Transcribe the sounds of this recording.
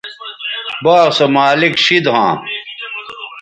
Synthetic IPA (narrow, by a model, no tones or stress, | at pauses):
baːsɐmaːlikɕid̪ɦãː